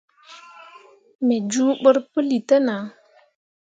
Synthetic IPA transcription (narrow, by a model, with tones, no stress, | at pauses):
me˨d͡ʒu˦ɓə˦ɾpə˦li˨tə˦na˨˦